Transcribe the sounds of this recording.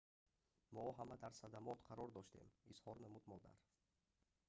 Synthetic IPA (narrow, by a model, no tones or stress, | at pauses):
mɔɦamad̪aɾsad̪amɔt̪qʰaɾɔɾd̪ɔʃt̪e̞̰mishɔɾnamud̪mɔd̪a̰ɾ